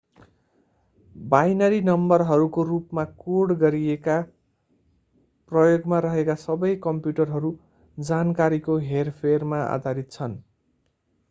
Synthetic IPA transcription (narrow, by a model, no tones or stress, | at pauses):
bajnʌɾinʌmbʌrɦʌɾukorupmakoɽɡʌɾieka | prʌjoɡmaɾʌɦekasʌbʌjkʌmpjuʈʌrɦʌɾu | d͡zankaɾikoɦerpʰermaa̰d̪ʱaɾit̪̚t͡sʰʌn